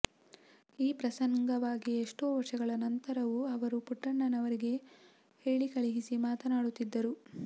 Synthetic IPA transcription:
iːpɾɐsɐŋɡɐʋaːɡieʂʈuːʋɐɾʂɐɡɐɭɐnɐnt̪ɐɾɐʋuɐʋɐɾupuʈːɐɳːɐnɐʋɐɾiɡe̞ | heːɭikɐɭiɦisimaːt̪ɐnaːɽut̪ːid̪ːɐɾu

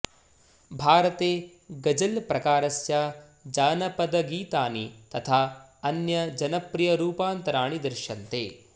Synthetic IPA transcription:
bʱaːɾɐt̪eː | ɡɐd͡ʒɐlpɾɐkaːɾɐsjaː | d͡ʒaːnɐpɐd̪ɐɡiːt̪aːnit̪ɐt̪ʰaː | ɐnjɐd͡ʒɐnɐpɾijɐɾuːpaːnt̪ɐɾaːɳid̪ɐɾʃɐnt̪ḛː

